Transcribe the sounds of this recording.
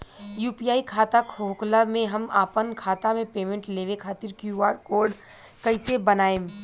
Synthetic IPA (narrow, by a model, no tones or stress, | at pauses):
juːpijaːikʰaːt̪akʰoːklamẽɦɐma̰ːpənkʰaːt̪amẽpeːmẽɳʈleːʋekʰaːt̪ɪɾkjuːʋaːɖkoːɾɖ | kɐisebɐnaːẽː